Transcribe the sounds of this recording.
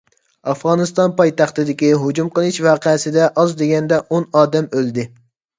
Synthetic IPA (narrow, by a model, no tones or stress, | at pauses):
ɑfʁɑːnɨst̪ɑnpɑjt̪ɑχt̪ɨd̪ɪkʲiɦod͡ʒumqəlˠɪʃwɑːqʰɛsɪd̪ɛʔɑzd̪eɡʲɛnd̪ɛʔonɑːd̪ɛmøld̪ɪ